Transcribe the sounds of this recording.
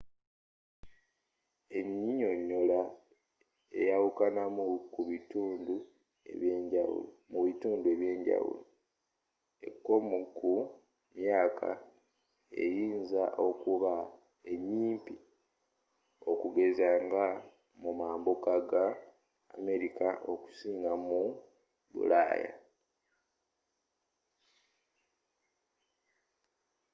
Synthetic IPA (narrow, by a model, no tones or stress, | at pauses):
e̞ɲiɲo̞ɲːo̞la | e̞jawukanamukuβituːndu | ḛβjeːɲɟawṵl | muβituːndue̞βje̞ːɲɟa̰wṵlo | e̞̰kːo̞muku | mjaːkʰa̰ | ḛjiːnzaʔo̞kuβa | e̞ɲːiːmpi | o̞kuɡe̞zaːŋɡa | mumaːmbokaɡa̰ː | me̞ɾikaʔo̞ku̥siːŋɡamu | βṵla̰ːja̰